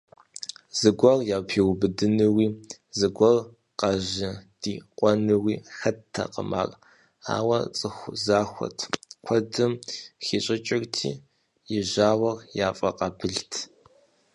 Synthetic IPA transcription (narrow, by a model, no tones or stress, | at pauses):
zɨɡʷɐrjaːpʰiːwbɨdɨnɨwiː | zɨɡʷɐr | qɑʑɪd̥iːqʷʼɔnɨwiːxɐtʰːɐ̰qə̰ma̰ːrʼ | a̰ːwɐ̰t͡sʼɨxʷzaːxʷɔ̰tʰkʷʰɐdɨmxiɕʼɪt͡ʃʼɪrtʰḭː | jɪʑaːwɐrjaːfʼɐqɐbɨɮtʰ